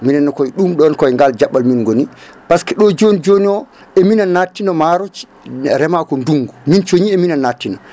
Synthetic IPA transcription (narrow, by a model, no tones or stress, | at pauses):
minɛnːɔkɔjɗumɗɔnkɔɛŋɡald͡ʒaɓːalminɡoni | paskɛɗɔd͡ʒonid͡ʒoniɔ | ɛminanatːinɔmaɾɔt͡ʃ | ɾɛmakɔnduŋɡumint͡ʃoɲiɛminanːatːinɔ